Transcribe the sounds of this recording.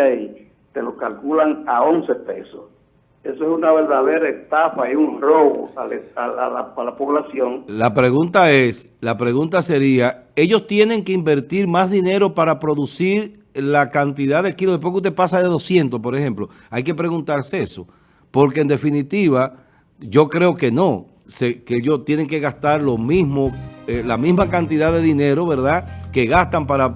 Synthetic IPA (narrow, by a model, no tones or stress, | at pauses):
ai | t̪e̞lokalkulaŋao̞nse̞pe̞sos | e̞soesunaβeɾðaðeɾaest̪afaiuŋroβo̰aleaalaalapoβlasjo̞ŋlapɾe̞ɣunt̪ae̞slapɾe̞ɣunt̪ase̞ɾia | e̞ʝo̞st̪je̞ne̞ŋkeimbe̞ɾt̪iɾmazðine̞ɾo̞paɾapɾo̞ðusiɾ | lakant̪̬iðaðekiloðepwokut̪epasaðeðo̞sje̞nt̪o̞spo̞ɾehe̞mplo̞ | ajke̞pɾe̞ɣunt̪aɾsee̞so̞ | po̞ɾke̞eːnd̪e̞finit̪iβa | ʝo̞kɾe̞o̞ke̞no̞ | sekeeʝot̪je̞ne̞ŋke̞ɣast̪aɾlo̞mismoelamizmakant̪iðaðe̞ðine̞ɾo̞βe̞ɾðake̞ɣast̪ampaɾa